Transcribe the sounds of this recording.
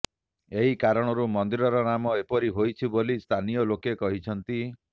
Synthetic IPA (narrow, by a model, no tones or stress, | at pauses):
eɦikaɾɔɽ̃ɔɾumɔnd̪iɾɔɾɔnamɔepɔɾiɦojt͡ʃʰibolist̪ʰanijɔlokekɔɦit͡ʃʰɔnt̪i